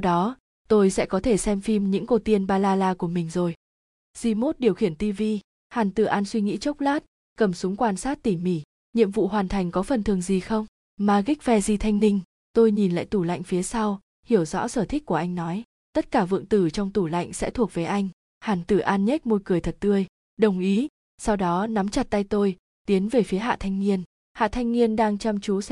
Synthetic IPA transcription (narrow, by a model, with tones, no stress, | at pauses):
wɗɔ˨˦ | t̪o˧jsɛ̰˧˥kɔ˨˦t̪ʰe˧˩sɛ˧mfi˧mɲɨ̰˧˥ŋkə˧˩t̪i˧ənɓaː˧laː˧laː˧ku˧˩əmï˨˩ŋ̟zo˨˩j | zi˧mo˦˥t̚ɗi˨˩əwxi˧˩ənt̪i˧vi˧ | haː˨˩nt̪ɨ˧˩ʔaː˧nswi˧ŋḭ˧˥t͡ɕə˦˥wk͡p̚laː˦˥t̚ | kə˨˧˩msʊ˨˦ŋ͡mkwaː˧nsaː˦˥t̚t̪i˧˩mi˧˩ | ɲḭ˧˨əmvṵ˧˨ɦwaː˨˩nt̪ʰa˨˩jŋ̟kɔ˨˦fə˨˩nt̪ʰɨ˨˩əŋzi˨˩xə˧wŋ͡m | maː˨˩ɣi˦˥k̟̚vɛ˧zi˧˩t̪ʰa˧jŋ̟nï˧ŋ̟ | t̪o˧jɲi˨˩nla̰ː˧˨jt̪u˧˩la̰˧˨jŋ̟fi˨˦əsa˧w | hi˧˩əwzɔ̰˧˥səː˧˩t̪ʰi˦˥k̚ku˧˩əʔa˧jŋ̟nɔ˨˦j | t̪ə˦˥t̚kaː˧˩vɨ̰˧˨əŋt̪ɨ˧˩t͡ɕɔ˧wŋ͡mt̪u˧˩la̰˧˨jŋ̟sɛ̰˧˥t̪ʰu˨˩ək̚v̥əː˨˩˦jʔa˧jŋ̟ | haː˨˩nt̪ɨ˧˩ʔaː˧nɲə˦˥t̚mo˧jkɨ˨˩əjt̪ʰə˨˩t̚t̪ɨ˧əj | ɗə˨˩wŋ͡mʔi˨˦ | sa˧wɗɔ˨˦na˨˦mt͡ɕa˨˩t̚t̪a˧jt̪o˧j | t̪i˨˦ənve˨˩fi˨˦əɦa̰ː˧˨t̪ʰa˧jŋ̟ŋi˧ən | ha̰ː˧˨t̪ʰa˧jŋ̟ŋi˧ənɗaː˧ŋt͡ɕa˧mt͡ɕu˨˦s